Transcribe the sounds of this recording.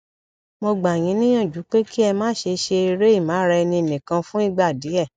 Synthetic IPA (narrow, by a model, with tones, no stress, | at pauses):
mo˧ɡ͡ba˨j̃ĩ˨˦nĩ˦j̃ã˦˨d͡ʒu˨˦k͡pe˦ki˦ɛ˧mãː˦ʃe˧ʃe˧i˧ɾe˦i˦˨mãː˨˦ɾɛ˧nĩ˧e˨nĩ˨kã˧fũ˦i˦ɡ͡ba˦˨di˨˦ɛ˦˨